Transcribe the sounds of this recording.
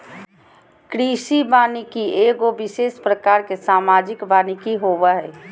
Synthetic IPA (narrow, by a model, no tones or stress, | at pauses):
kɾiːʃibaːnikieːɡoʋɪʃeːspɾəkaːɾkesaːmaːd͡ʒɪkbaːnikiɦoːʋaɦɛː